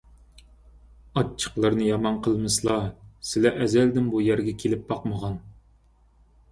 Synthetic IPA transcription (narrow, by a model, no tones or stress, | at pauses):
ɑt͡ʃʰːə̥qlˠɑɾnɨjɑmɑnqʰəlˠmɨslˠɑsɪlɛʔɛzæld̪ɪnbujæɾɡʲɛkʲʰelɪp̚bɑqməʁɑn